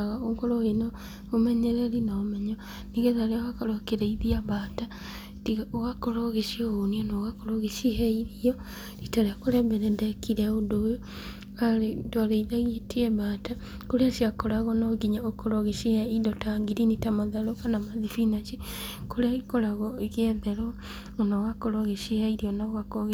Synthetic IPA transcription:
aɣaoŋɡoɾɔinɔ | omɛɲɛɾɛɾinaomɛɲɔ | niɣɛðaɾeawakaɾɔkeɾɛiðiabata | tiɣaoɣakoɾoɣeʃioɣoniɔnɔɣakoɾoɣeʃihɛiɾiɔ | ɾitaɾakoɾɛbɛɾɛndɛkiɾɛodojo | aetwaɾeiðaɣietiɛβaːta | koɾeaʃiakoɾaɣɔnɔɡiɲaokoɾɔɣeʃiɛidɔtaːŋɡiɾinitamaðaɾokanamaðifinat͡ʃikoɾeaɣikoɾaɣɔeɣɛðɛɾɔ | onɔɣakoɾɔɣeʃihɛiɾiɔnaɣakoɣe

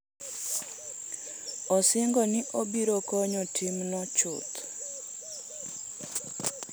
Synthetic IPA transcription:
ɔsɪŋɡɔnɪʔobiɾokɔɲɔtʰimnɔt͡ʃʊ̰t̪

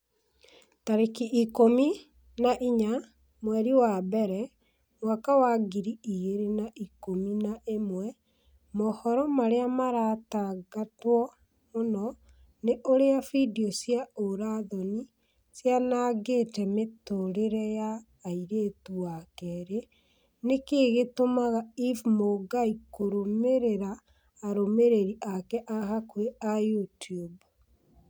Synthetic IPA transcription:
taɾekiʔikomi | naʔiɲa | mwɛɾiwabɛɾɛ | mwakawaɡiɾiiɣeɾenaʔikominaʔemwɛ | mɔhɔɾɔmaɾeamaɾaːtaɡatwɔ | monɔ | neʔoɾeafidiɔsiaoɾaðɔni | sjanaːɡetɛmetoɾeɾɛjaː | iɾetuakɛɾe | nekeːɣetomaɣaivmoɡaikoɾomeɾeɾaː | ɾomeɾeɾiʔakɛʔahakweajutiub

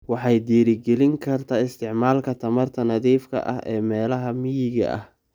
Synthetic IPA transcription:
wɑħɑjd̪iːɾɪɡɛlɪŋkʰɐrt̪ʰaːɪst̪ʰɪʕmaːlkʰɐt̪ʰɐmɐrt̪ʰɐnɐðiːfkʰɐ̰ʔɐ̰ɦɛːmɛːlɐɦɐmɪjɪɣɐ̰ʔɐ̰h

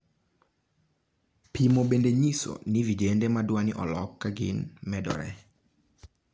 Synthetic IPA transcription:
pʰimoɓendeɲisɔ̰nivid͡ʒendɛmadwaniʔɔlɔkːaɡinmɛdɔ̰ɾɛ̰

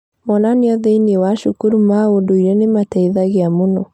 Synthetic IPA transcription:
mɔnaneɔðeinewaʃukuɾumaondoiɾɛnematɛiðaɣeamonɔ

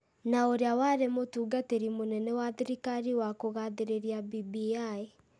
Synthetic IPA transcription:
naoɾeawaɾemotuːɡateɾimonɛnɛwaðiɾikaɾiwakoɣaðeɾeɾiabibiae

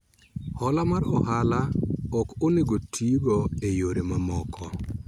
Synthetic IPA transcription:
hɔlamaɾɔ̰ɦalaɔkoneɡotʰiɡɔejoɾemamɔkʰɔ

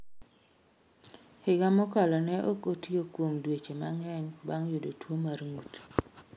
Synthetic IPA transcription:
hɪɡamɔkalɔnɛʔokotiokwomdwet͡ʃemaŋɛɲbaŋjodotwomarŋut

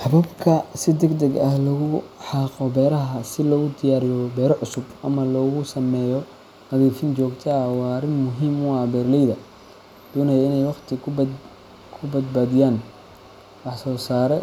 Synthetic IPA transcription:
ħɑβɐbkʰɐsɪd̪ɛɡd̪ɐɡɐhlɐɣʊħɑːqɔbɛːɾɐɦɐsɪlɔːɣʊd̪ʰɪjaːɾɪjɔbɛːɾɔʕʊsʊbʔɐmɐlɔːɣʊsɐmɛːjɔ | nɐðiːfɪnt͡ʃɔːɡt̪ʰɐwɑːɾɪnmʊɦiːmʊɑbɛːrlɛjðɐ | d̪̥ɔːnɐjɐɪnɛjwɑqt̪ʰɪ | kʰʊbɐd̪̚baːðɪjaːn | wɑħsɔːsaːɾɛ

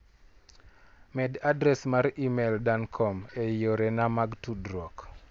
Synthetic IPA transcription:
mɛdadɾɛsmaɾimeldankʰɔmeijoɾɛnamaɡtudɾɔk

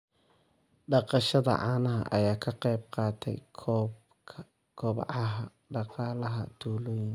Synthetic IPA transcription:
ɖɑqɑʃɐðɐ̰ʕɑːnɐɦɐ̰ʔɐjaːkʰɐqɛjb̚qɑːt̪ʰɛ̰jʰ | kʰɔβʕɐ | ɖɑqɑːlɐɦɐ̰t̪ʰuːlɔːjɪŋ

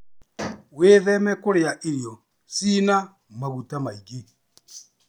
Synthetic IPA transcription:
weːðɛmɛkoɾeaʔeɾjɔ | siːna | maɣutamaiɣe

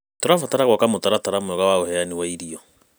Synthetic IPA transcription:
toɾafataɾaɣwakamotaɾataɾamoɔɣawaohɛaniwaiɾiɔ

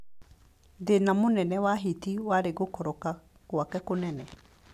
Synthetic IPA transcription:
denamonɛnɛwaɦitiwaɾeɣokɔɾɔka | kwakɛkonɛnɛ

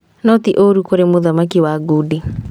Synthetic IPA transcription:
nɔtiʔoɾukoɾemoðamakiwaɡuːdi

